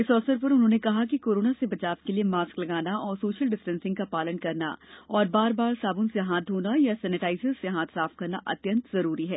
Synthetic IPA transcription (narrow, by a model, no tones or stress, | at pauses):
ɪsɔːsəɾpɐɾʊnɦõːnekɐɦakikoːɾoːnasebɐt͡ʃaːbkeliemaːsklɐɡaːnaɔːɾsoːʃəlɖɪsʈə̃nsɪ̃ŋɡkapaːlənkɐɾna̰ɔːɾbaːɾbaːɾsaːbʊnseɦãːt̪ɦoːnajasɛːnɪʈaːɪsəzseɦãːt̪ʰsaːfkɐɾnaʔɐ̰t̪jə̃nt̪zɐɾuːɾiɦɛː